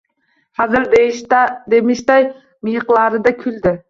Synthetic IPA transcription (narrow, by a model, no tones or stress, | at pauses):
hɑzɨɾd̪eʃd̪emɪʃd̪ɑj | mijəqlˠɑːɾɨd̪ɛkʲʰyld̪ɪ